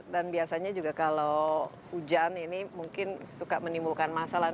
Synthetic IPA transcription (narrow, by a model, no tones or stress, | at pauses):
danbiasaɲad͡ʒuɡakalo | hud͡ʒaninimuŋkɪnsukamənimbulkanmasala